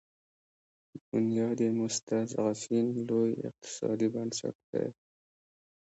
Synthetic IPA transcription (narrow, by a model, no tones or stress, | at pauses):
d̪̥ʊnjɑːd̪emʊst̪azaʁafinlojɪ̰q̚t̪ʰɪ̥sɑ̰ːd̪ibansa̰k̚t̪ḛ